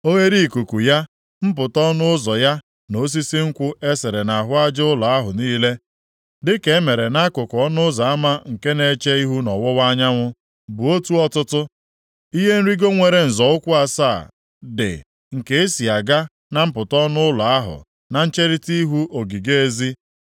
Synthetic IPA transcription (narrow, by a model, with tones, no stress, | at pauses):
o˦we˦ɾi˦˨ku˨ku˨ja˦ | m̩˦p̬ʊ˨tɔ˦nʊ˦ʊ˦zɔ˨ja˦ | no˦s̬i˦si˦ŋ̩˦kʷʊ˦e˦se˨ɾe˨na˨ɦʊ˦a˦d͡ʒʊ˦lʊ˨a˦ɦʊ˨niː˦le˦ | dɪ˦ke˨˦e˦me˨ɾe˨na˦kʊ˨kɔ˦nʊ˦za˨a˦ma˦ŋ̩˨ke˦ne˦t͡ʃe˦i˦ɦu˦nɔ˨wʊ˦wa˦ɲa˦ŋʷʊ˦ | bʊ˨o˦tu˦ɔ˦tʊ˦tʊ˦ | i˦ɦe˦n̩˦ɾi˦ɡo˦ŋʷe˨ɾe˨n̩˨zɔ˨ʊ˦kʷʊ˦a˦saː˦˨ | dɪ̰˨ | ŋ̩˨ke˦e˦si˨a˨ɡa˦ | na˦m̩˦pʊ˨tɔ˦nʊ˦ʊ˦lʊ˨a˦ɦʊ̰˨ | na˨n̩˦t͡ʃe˦ɾi˦ti˦ɦu˦ʔo˨ɡi˨ɡe˦e˦zi˦